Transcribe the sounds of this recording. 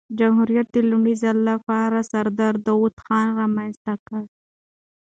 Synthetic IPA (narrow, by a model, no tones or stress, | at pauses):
d͡ʒamɦuɾijat̪̚d̪ilʊmɖizalːafaːɾasaɾd̪aɾd̪awut̪xɑːnɾamanst̪akaɾ